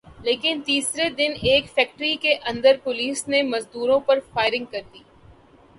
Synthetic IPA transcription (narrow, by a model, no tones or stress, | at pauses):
leːkɪnt̪iːsɾed̪ɪneːkfɛːk̚ʈɾikeʔɐ̃nd̪əɾpʊliːsnemɐzd̪uːɾõpɐɾfaːɪɾɪ̃ŋɡ̚kɐɾd̪iː